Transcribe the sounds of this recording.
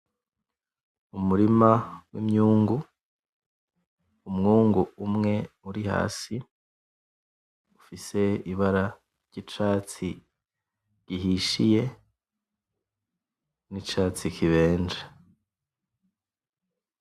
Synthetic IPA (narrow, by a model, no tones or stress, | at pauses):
umuɾimawimɲuːŋɡu | umŋuːŋɡuumŋe̞uɾiha̰ːsi | ufise̞iβaɾa | ɾɟ̥it͡ʃaːt͡si | ɟ̥iɦiʃije̞ | nit͡ʃaːt͡sikʰiβe̞ːnd͡ʒe